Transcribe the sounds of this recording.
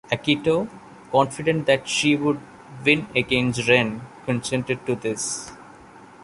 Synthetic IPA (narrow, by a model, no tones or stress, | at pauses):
ækiʈo | kɔ̃nfɪɖẽɳʈ̚d̪æʈʃiʋʊɖ | ʋɪ̃neɡẽnsʈɾẽnkə̃nsɛ̃ɳʈeɖ̚ʈud̪ɪs